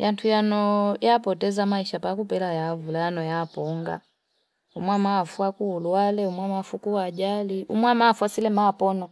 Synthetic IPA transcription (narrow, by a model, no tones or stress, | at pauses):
jantʰujanɔjapɔtɛzamaiʃapakupɛlajavulajanɔjapɔŋɡa̰ | umwamaːfuakuːlualɛumwamafukuad͡ʒaliʔṵmwamaːfwasilɛmapɔnɔ